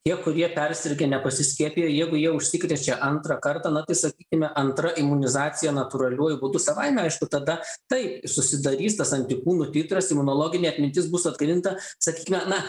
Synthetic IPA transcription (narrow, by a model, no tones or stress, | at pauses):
t̪ʲiɛkʊɾʲiɛpʲɛrʲsʲɪɾʲɡʲɛnʲɛpɐsʲɪsʲkʲiɛpʲijoːjɛɪɡʊjiɛʊʃʲsʲɪkɾʲiet͡ʃʲɛʔɐnt̪ɾɑkɐrt̪ɑːnɐt̪ɐɪsɐkʲiːkʲɪmʲɛʔɐnt̪ɾɐʔɪmʊnʲɪzɑːt͡s̪ʲɪjɛnɐt̪ʊɾɐlʲuɔjʊbʊd̪ʊsɐʋɐɪmʲɛɐɪʃkʊt̪ɐd̪ɐt̪ɐɪpsʊsʲɪd̪ɐɾʲiːst̪ɐsɐnʲt̪ʲɪkuːnʊt̪ʲɪt̪ɾɐsɪmʊnoːlˠoːɡʲɪnʲeːɐt̪ʲmʲɪnʲt̪ʲɪsbʊsɐd̪ɡɾʲɪnt̪ɐsɐkʲiːkʲɪmʲɛnɐ